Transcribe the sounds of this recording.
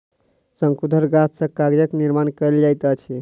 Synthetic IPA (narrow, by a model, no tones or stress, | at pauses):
səŋkud̪ʱəɾɡat̪ʰsə̃kaɡd͡ʒəkniɾmankəld͡ʒajt̪ət͡ʃʰi